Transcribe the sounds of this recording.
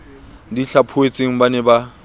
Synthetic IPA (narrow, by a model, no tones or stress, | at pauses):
diɬapʰʊet͡sʼeŋ̩banɪba